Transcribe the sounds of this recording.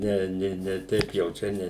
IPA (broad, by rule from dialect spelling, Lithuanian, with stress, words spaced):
ˈnʲɛ ˈnʲɪ nʲɛ ˈtʲɛɪp jɛʊ ˈt͡ʃʲɛ ˈnʲɛ